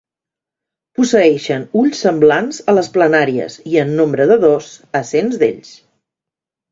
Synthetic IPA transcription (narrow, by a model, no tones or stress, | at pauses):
pusəɛʃənuʎsːəmblanzələsplənaɾiə̰ziənːombɾəðəðozəsenzðḛʎs